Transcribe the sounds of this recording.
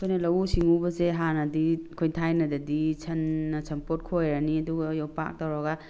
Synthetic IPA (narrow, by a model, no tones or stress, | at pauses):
kʰojnɐlɐwusiŋubɐseɦanɐdikʰojtʰajnɐdɐdit͡ʃʰɐnːɐsʰɐmpot̚kʰojɾɐniɐduɡɐjowpa̰k̚tawɾɔɡa